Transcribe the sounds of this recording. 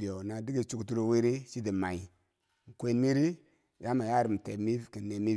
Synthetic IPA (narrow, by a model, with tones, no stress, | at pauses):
i˨o˨na˨di˦ɡe˨t͡ʃu˨ktu˦ɾo˨wi˦ɾi˦si˦di˨ma˨i˨ | ŋ̩˨kʷe˦n˦mi˦ɾi˦ | ja˦ma˨ja˦˨ɾi˨m̩˨te˨mi˦fki˨ne˨mi˦